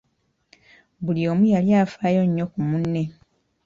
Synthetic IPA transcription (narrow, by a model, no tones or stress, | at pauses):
bulioːmujaljaːfaːjo̞ɲːo̞kumunːe̞